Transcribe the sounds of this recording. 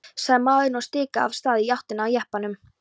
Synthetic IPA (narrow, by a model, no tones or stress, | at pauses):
saɣmːaːwðɪnɔɣst̪ɪːka̰ːv̥st̪aːðɪjawht̪ɪnaːwjɛhpanʏm